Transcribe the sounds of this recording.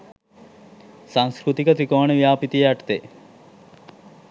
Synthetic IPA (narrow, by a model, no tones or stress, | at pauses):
saŋskɾut̪ikət̪ɾikoɳəʋijaːpit̪ijaʈt̪e